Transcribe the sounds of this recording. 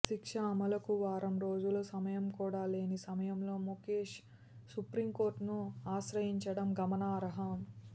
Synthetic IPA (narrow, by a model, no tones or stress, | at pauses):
ʃikʂɐːmɐlɐkuʋaːɾɐmɾo̞ːd͡ʒulosɐmɐjɐmkuːɽaːle̞ːnisɐmɐjɐmlo̞ːmokeːʂ | supɾimko̞ːɾʈnuaːʃɾɐjiɲt͡ʃɐɽɐmɡɐmɐnaːɾɐɦɐm